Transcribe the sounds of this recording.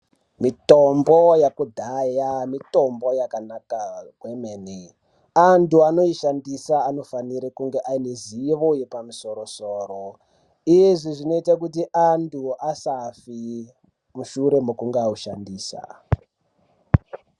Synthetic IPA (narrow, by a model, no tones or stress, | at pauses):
mitombojakudʱajamito̞mbo̞jakanakaɡʱwemeːni | antuano̞iʃandisaːno̞faniɾekuŋɡeʔaineziʋojepamuso̞ɾo̞soːɾo | ijʐiʐino̞itak̬utiʔantʰuasafi | muʃuɾe̞mokuŋɡeauʃandiːsa̰